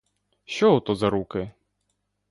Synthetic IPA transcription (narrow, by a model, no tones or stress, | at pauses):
ʃt͡ʃɔɦɔt̪ɔzɐɾukɪ